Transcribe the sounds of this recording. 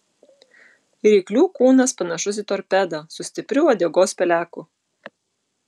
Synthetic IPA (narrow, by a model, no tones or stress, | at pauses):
ɾʲɛɪklʲuːkuːnɐspɐnɐʃʊs̬ʲiːt̪ɔɾʲpʲæd̪ɐsʊsʲt̪ʲɪpʲɾʲʊod̪ʲɛɡoːspʲɛlʲæːkʊ